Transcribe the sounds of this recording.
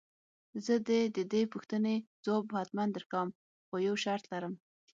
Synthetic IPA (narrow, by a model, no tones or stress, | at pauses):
zəd̪ed̪əd̪epuxt̪ənez̥obhat̪mand̪əɾkawm | xojawʃaɾt̪laɾəm